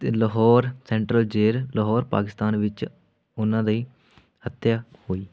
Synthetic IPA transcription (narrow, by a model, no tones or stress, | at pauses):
ləɦɔːɾsɛ̃ːɳʈɾəld͡ʒeːɾləɦɔːɾpa̰ːkɪst̪aːnʋɪt͡ʃ | ʊnãːd̪əiː | hət̪jaːhoːiː